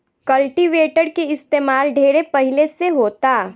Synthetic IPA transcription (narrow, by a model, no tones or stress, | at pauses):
kɐlʈiʋeːʈəɽkeɪst̪eːmaːlɖʱeːɽepɐɦɪleseɦoːt̪aː